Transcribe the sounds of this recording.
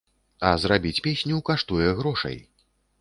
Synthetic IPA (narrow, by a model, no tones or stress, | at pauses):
ɐzrabʲit͡sʲpʲesʲnʲukaʂt̪ujɛɣɾɔʂɐ̰j